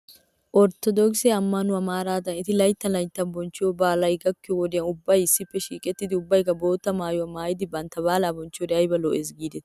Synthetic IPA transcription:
ʔɔɾt̪ɔd̪ɔkseɐmːɐnʊɐmaːɾaːd̪ɐnɪt̪ɪlɐjt̪ːɐlɐjt̪ːɐnbɔnt͡ʃːɪoːbaːlɐjɡɐkːɪowɔd̪ɪjɐnʊbːɐjɪsːɪpːɛʃiːkʼɛt̪ːɪd̪ɪʊbːɐjkːɐbo̞ːt̪ːɐmaːjɔwɐmaːjɪd̪ɪbɐnt̪ːɐβaːlaːbɔnt͡ʃːɪoːd̪ɛɐjbɐloːʔesɡiːd̪ɛt̪

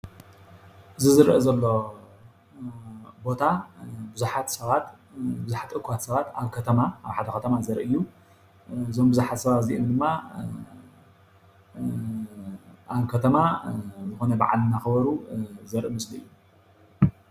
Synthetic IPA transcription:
ʔɨzɨzɨɾʔɨzɐlːo̞ | bo̞t̪ʰabɨzuħat̪sɐβat̪ | bɨzuħat̪ʼɨkʰat̪sɐβat̪aβkʰɐt̪ʰɐmaaβħad̪ɐkɐt̪ʰɐmazɐɾʔɨjːu | ɨzo̞mbɨzuħat̪sɐβat̪ziʔomd̪ɨmːa | ʔaβkʰɐt̪ʰɐmazɨxo̞nɐba̰ʕa̰lnaxɨβɐɾuzɐɾʔɨmɨslɨɨ̰jːu

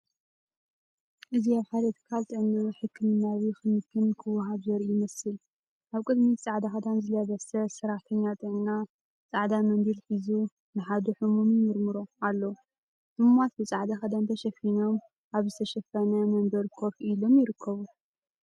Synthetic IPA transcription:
ʔɨziaβħajlɐt̪ʰɨ̥kʰalt̪ʼɨʕnːɐħɨkʰːɨmɨnːaβixɨmɨkʰːɨnkʰɨwɦaβzɐɾjɪmɐsɨl | ʔaβkʼɨd̪mit͡sʼaʕd̪axɐd̪anzɨlɐβɐsɐsɐɾaħt̪ʰɐɲːat̪ʼɨʕnna | t͡sʼaʕd̪amɐnd̪ilħizu | nɨħad̪uħumumijɨɾmɨɾoalːɐ | mɨmat̪bɨt͡sʼaʕd̪axɐd̪ant̪ʰɐʃɐfino̞m | ʔaβzɨt̪ʰɐʃɐfɐnɐmɐnb̪ɐɾkʰo̞fʔilo̞mjɪɾɨkʰːɐβu

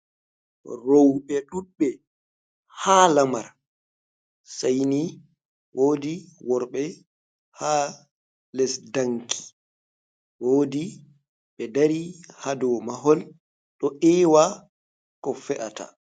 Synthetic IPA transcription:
rowɓɛɗuɓːɛ | halamaɾ | sajni | wʔoːdiwɔɾɓɛ | ha | lɛsdaŋkʰi̥ | woːdi | ɓɛdaɾihadɔmaɦɔl | ɗɔʔɛːwa | kɔfɛʔata̰

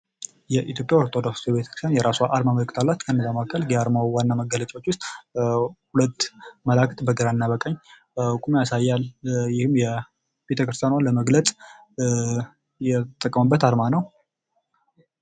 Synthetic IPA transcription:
jɛʔit̪ʰjo̞pʼjaoɾt̪ʰo̞d̪oksjɛβet̪ʰə̥kɾɨst̪ʰjanjɛɾasuaʔaɾmamələkʼːɨt̪ʰalːat̪kʰənːəzamakʰːəlɡeaɾmawwanːaməɡːələt͡ʃʼawot͡ʃːwʊst̪ʼ | hulət̪ːməlakt̪bəɡəɾanːabəkʼəɲː | kʼumjasajːaljɪhɨmjɛ | b̥e̞t̪ʰəkɾɨst̪ʰjanaləməɡlət͡sʼ | jɛt̪ʼəkʼːəməbːət̪aɾmanəw

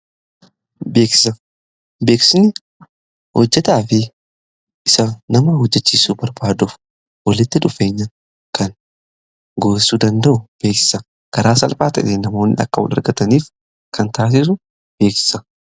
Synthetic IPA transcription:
be̞ːksɪ̥sɐ | be̞ːksɪnɪ | hɔd͡ʒːɛt̪aːfɪ | ʔɪsɐnɐmɐhɔd͡ʒːɛt͡ʃːiːsuːbɐɾbaːd̪ʊf | wɐlɪt̪ːɪᶑʊfe̞ːɲːɐ | kɐn | ɡoːsuːd̪ɐnd̪ɐʔʊb̥e̞ːksɪ̥sɐ | ɡ̥ɐɾaːsɐlfaːt̪ɐ̰ᶑeːnɐmo̞ːnːɪ̰ʔɐ̰kːɐwɔ̰lɐ̰ɾɡɐt̪ɐniːf | kɐnt̪aːs̬ɪs̬ʊ | b̥e̞ːksɪ̥sɐ

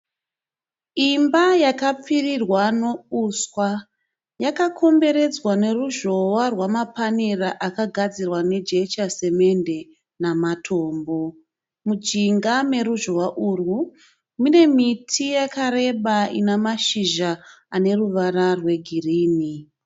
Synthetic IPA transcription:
imbajakap͡firirwano̞uswa | jakakʰo̞mbe̞ɾe̞d͡zwane̞ruʒo̞warwamapaneraʔakaɡʱad͡zirwane̞d͡ʒe̞t͡ʃase̞me̞nde | namatʰo̞ːmbo̞ | mud͡ʒiŋɡame̞ruʒowaʔuru | mune̞mitʰijakaɾe̞ɓaḭnamaʃiʒaane̞ruʋararwe̞ɡʱiriːni

